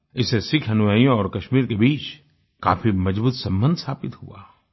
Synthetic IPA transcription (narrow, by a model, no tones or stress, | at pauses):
ɪsesɪkʰɐnʊʋaːijõɔːɾkɐʃmiːɾkebiːt͡ʃ | ka̰ːfimɐd͡ʒbuːt̪sɐ̃mbə̃nd̪ʱsʰaːpɪt̪hṵa̰ː